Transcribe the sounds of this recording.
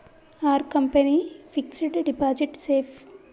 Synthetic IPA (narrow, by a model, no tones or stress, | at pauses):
aːɾkɐmpɐnifikseɖɖibaːd͡ʒeʈseːpʰ